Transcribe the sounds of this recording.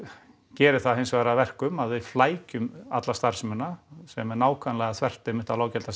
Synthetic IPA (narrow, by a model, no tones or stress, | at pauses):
cɛːɾɪ̥θaðɦejnsɔaɾavɛr̥kʏmaðvɪðflaːjcʏmat̪last̪ar̥smʏnːasɛmɛɾnaːwkʰvanlɛɣaθʰvɛr̥t̪ɪmɪht̪alaːwcɛlt̪a